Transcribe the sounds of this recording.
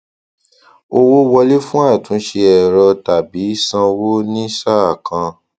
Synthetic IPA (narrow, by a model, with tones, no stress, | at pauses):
o˧wo˦wɔ˧le˦fũ˦a˦˨tũ˨˦ʃe˧ɛ˨ɾɔ˧ta˨bi˨˦sã˧wo˦nĩ˦sa˦a˨kʰã˧